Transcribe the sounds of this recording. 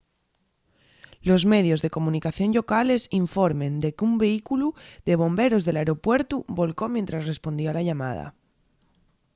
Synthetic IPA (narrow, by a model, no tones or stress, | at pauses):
lo̞zme̞ð̞jo̞zðe̞ko̞mũnikaθjo̞nʎo̞kale̞siɱfo̞ɾmẽ̞nd̪e̞kumbe̞ikuluðe̞β̞o̞mbe̞ɾo̞zðelaeɾo̞pwe̞ɾt̪uβo̞lko̞mjent̪ɾasre̞spo̞nd̪ioalaʎama̰ð̞a̰